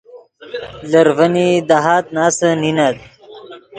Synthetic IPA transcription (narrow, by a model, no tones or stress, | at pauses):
ləɾvənid̪aɦaːt̪̚naːsəninad̪̚